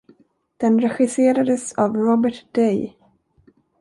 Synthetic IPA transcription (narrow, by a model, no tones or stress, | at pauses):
d̪̥ɛnɾɛɧɪseːɾad̪əsavɾɔbəʈd̪̥ɛj